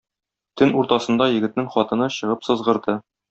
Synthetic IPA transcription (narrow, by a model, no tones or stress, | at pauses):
t̪ɘnuɾt̪ɑsɤ̆nd̪ɑjɘ̆ɡɘ̆t̪̚nɘŋχɒt̪ɤ̆nɤɕɤ̆ʁɤpsɤ̆zʁɤ̆ɾd̪ɤ